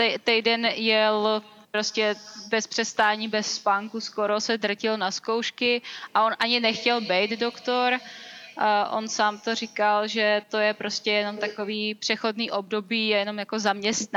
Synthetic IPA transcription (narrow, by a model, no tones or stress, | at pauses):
ɛt̪ɛjdɛnjɛl | pɾo̞scɛbɛspr̥ɛst̪aːɲiːbɛsːpaŋkuskoɾo̞sɛd̪r̩cɪlnasko̞wʃkɪʔaʔonʔaɲɪnɛxcɛlbɛjt̪do̞kt̪o̞ɾ | ʔo̞̰nsaːmt̪orɪkalʒɛt̪o̞jɛpɾo̞scɛjɛno̞mt̪akoviːpr̥ɛxo̞dniːʔobdo̞biːjɛjɛno̞mjako̞zamɲɛst̪n